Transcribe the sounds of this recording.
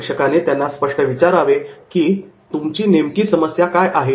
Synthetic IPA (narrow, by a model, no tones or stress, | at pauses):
kʂəkanet̪janːaspəʂʈəʋit͡ɕaɾaʋekiːt̪umt͡ɕiːnemkiːsəməsjakajʔaɦe